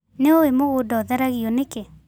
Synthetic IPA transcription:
neowemoɣodɔðɛɾaɣiɔneke

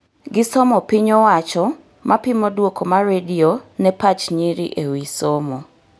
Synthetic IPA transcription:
ɡɪsɔmɔpiɲowat͡ʃɔ | mʔapimodwokomaɾedionɛpat͡ʃɲiɾḭʔewisomo

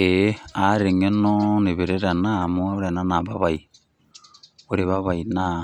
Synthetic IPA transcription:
eaɾeŋenɔneβeɾeɾanamuaβɾeananaβaβaj | oɾeβaβajna

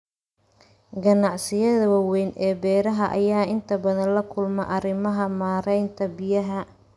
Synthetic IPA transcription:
ɡɐnɑʕsɪjɐðɐwɑwɛjnʔɛːbɛːɾɐɦɐʔːjaːɪnt̪ʰɐbɐðɐnlɐkʰʊlmɐʔɐrɪmɐɦɐmaːɾɛjnt̪ʰɐbɪjɐɦɐ

